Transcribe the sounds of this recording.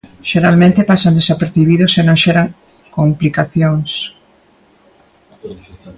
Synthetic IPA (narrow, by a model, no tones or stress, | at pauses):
ʃeɾalmẽnt̪epasand̪esapeɾθiβ̞iðʊsenõŋʃɛɾaŋkomplikaθjoŋs